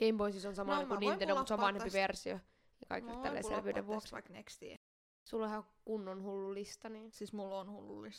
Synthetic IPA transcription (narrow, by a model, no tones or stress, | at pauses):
keimboinsisonsɑmɑlːɑikunint̪endomut̪seoʋʋɑnhempiʋersio̰ | jɑkɑ̰ikelːt̪t̪ælːḛssḛlʋiødḛʋuoksɑnekst̪ḭ | sulːoihɑ | kunːonhulːulːist̪ɑniːnsismulːonhulːṵlːis